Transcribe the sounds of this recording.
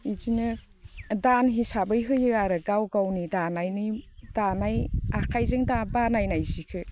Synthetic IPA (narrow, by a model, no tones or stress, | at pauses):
id͡ʒinɯ | danɦisabɯjɦɯjɯaɾɯɡawɡawnidanajnidanajakʰajzɯŋdabanajnajzikʰɯ